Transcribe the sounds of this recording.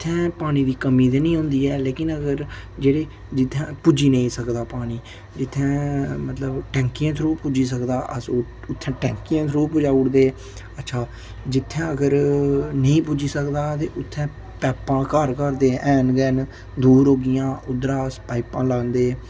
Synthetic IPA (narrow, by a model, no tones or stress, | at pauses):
t̪ʰːɛ̃ːpaːñiːd̪iːkəmiːt̪eːnĩːɦʊ̃ːnd̪iːɛːleːkɪnəɡəɾd͡ʒeːɽeː | d͡ʒɪt̪ʰːɛ̃ːpʊd͡ʒiːnə̃ĩːsəkd̪aːpaːɽ̃iː | d͡ʒɪt̪ʰːɛ̃ːmət̪ləbʈɛ̃ːŋkijãːt̪ʰɾoːpʊd͡ʒiːs̬əkd̪aːʔəsoː | ʊt̪ʰːɛ̃ːʈɛ̃ːŋkijãːt̪ʰɾoːpʊd͡ʒaːʊɽd̪eː | ətːʃʰaː | d͡ʒɪt̪ʰːɛ̃ːəɡəɾnəĩːpʊd͡ʒiːsəkd̪aːt̪eːʔʊt̪ʰːɛ̃ː | pɛːpãːkəɾkəɾd̪eːʔɛːnɡɛːn | d̪uːɾɦoːɡɪjãːʔʊd̪əɾaːəspaːɪpãːlaːnd̪eː